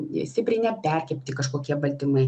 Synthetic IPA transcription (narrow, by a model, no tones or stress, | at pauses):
sʲt̪ʲɪpʲɾʲɪnʲɛpʲɛˑɾʲkʲɛpʲt̪ʲɪkɐʃkoːkʲiɛbɐlʲt̪ʲɪmɐɪ